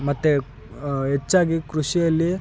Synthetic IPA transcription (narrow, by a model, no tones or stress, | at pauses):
mɐt̪ːu | ɦet͡ʃːaːɡikɾuʂijɐlːi